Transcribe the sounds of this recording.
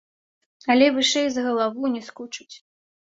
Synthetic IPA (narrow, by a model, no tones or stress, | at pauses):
alʲɛvɨʂɛjzɣɐlˠavuwnʲɛskut͡ʂu̥t͡sʲ